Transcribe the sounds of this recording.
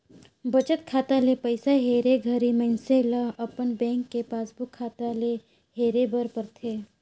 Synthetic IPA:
bət͡ʃət̪̚kʰaːt̪alepəɪsaɦeːɾeɡʱəɾiməɪnselaɐpənbɛ̃ːŋkːepaːsbʱʊkʰːaːt̪ale | ɦeːɾebəɾpəɾt̪ʰeː

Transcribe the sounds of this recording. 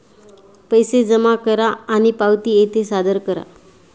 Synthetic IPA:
pəjsed͡zəmakəɾaːñipawt̪iːet̪ʰesad̪əɾkəɾa̰

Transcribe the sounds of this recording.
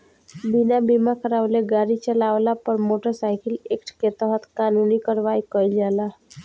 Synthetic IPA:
binabimakəɾaʋleɡaɾit͡ʃəlaʋlapəɾmoʈəɾsaɪkɪlekʈʰket̪əɦət̪kaːnunikəɾʋaikəid͡ʒala

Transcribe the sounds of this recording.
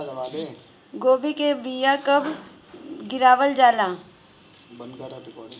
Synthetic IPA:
ɡoːbikebijakəb | ɡɪɾaːʋəld͡ʒaːla

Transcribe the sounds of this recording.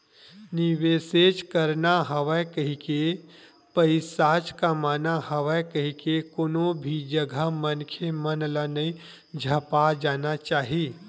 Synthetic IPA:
nɪʋeːseːt͡ʃkəɾnaɦəʋəkəɦike | pəɪsaːt͡ʃkamaːnahɐʋəkəɦikekoːnõbʱid͡ʒəɡʱamənkʰemənlanəi | d͡ʒʱɐpad͡ʒaːnat͡ʃaːɦiː

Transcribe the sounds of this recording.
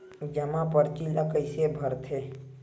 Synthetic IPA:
d͡ʒəmãpəɾt͡ʃilakəɪsebʱəɾt̪ʰe

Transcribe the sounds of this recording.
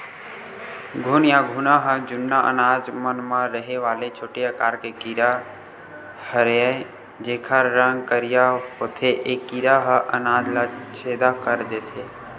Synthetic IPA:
ɡʱunjaɡʱunaɦəd͡ʒʊnːaʔə̰naːd͡ʒmənmãɾəɦeʋaːlet͡ʃʰoːʈijakaːɾkekiɾa | həɾa | d͡ʒeːkʰaɾɾə̃ŋɡkəɾijaɦot̪ʰeʔekːiɾaɦəʔənaːd͡ʒlat͡ʃʰeːd̪akəɾd̪et̪ʰe

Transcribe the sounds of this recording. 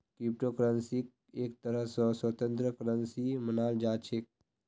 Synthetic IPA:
kɾip̚ʈokɾansik̚ | eːk̚t̪əɾəsəswət̪ə̃nt̪ɾəkɾənsimənaːld͡ʒaːt͡ʃʰek̚

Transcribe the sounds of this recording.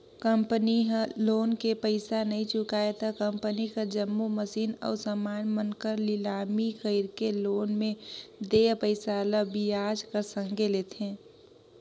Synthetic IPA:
kəmpəniɦloːnkepəɪsanɐɦĩt͡ʃʊkaːet̪əkə̃mpənikəɾd͡ʒəmːuməsiːnɔ̰ːɾsəmaːnmənkəɾlɪlaːmikəɪɾkeloːnmẽd̪epəɪsaləbiaːd͡ʒkəɾsə̃ŋɡʱeleːt̪ʰẽː

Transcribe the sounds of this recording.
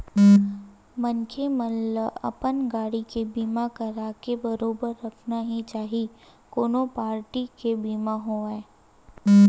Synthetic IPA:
mənkʰeməlːəɐ̰pənɡaːɽikebiːmakɐɾaːkebɐɾoːbəɾːɐkʰnaɦit͡ʃaːɦikoːnõpaːɾʈikebiːmaɦoːeː

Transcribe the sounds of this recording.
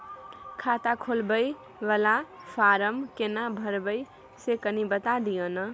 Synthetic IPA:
kʰat̪akʰolbəj | ʋəlapʰaɾəmkenabʱəɾbəj | sekənibət̪ad̪ijənʌ

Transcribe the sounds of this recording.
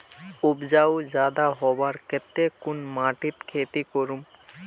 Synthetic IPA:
ubd͡ʑawd͡ʑad̪aɦɔbaɾkʰet̪ːekunmaʈit̪kʰet̪ikoɾum

